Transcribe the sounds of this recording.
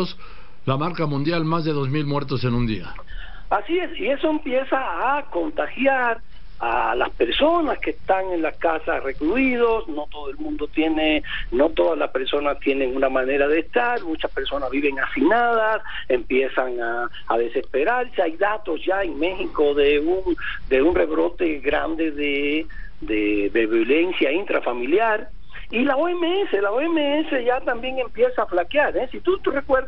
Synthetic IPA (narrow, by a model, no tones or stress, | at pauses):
os | lamaɾkamũnd̪jalmazðe̞ðo̞zmilmweɾt̪osenũnd̪ia̰ | asie̞sie̞soempje̞saːko̞nt̪axjaɾ | ala̰spe̞ɾso̞naskest̪aŋe̞nlakasa̰re̞kluið̞o̞sno̞t̪oðoelmũnd̪ot̪je̞neno̞t̪o̞ðazlaspe̞ɾso̞nast̪jene̞ŋunamane̞ɾað̞est̪aɾmut͡ʃaspe̞ɾso̞nazβiβe̞ŋafinað̞as | e̞mpje̞saŋaː | ðe̞se̞spe̞ɾaɾseajðat̪o̞zʝaeŋme̞xiko̞ðeuŋd̪e̞unre̞βɾo̞t̪e̞ɣɾa̰nd̪e̞ðe | d̪eβeβole̞nsjaint̪ɾa̰familjaɾ | ilaoemeeselaoemeese̞ʝat̪ambje̞ŋe̞mpje̞saːflakjaɾesit̪ut̪rekweɾ